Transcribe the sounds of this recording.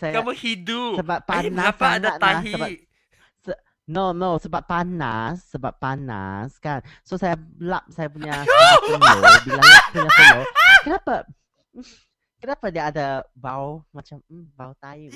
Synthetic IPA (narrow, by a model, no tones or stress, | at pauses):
sajakamohidusəbapːainaaaadat̪aɦisəbaʔ | sə | nonosəbapːana̰sːəbapːana̰skan | sosaja | lap̚sajapuɲa | bilapuɲaakənapa | kənapadiaada | bawmat͡ʃam̩bawt̪aim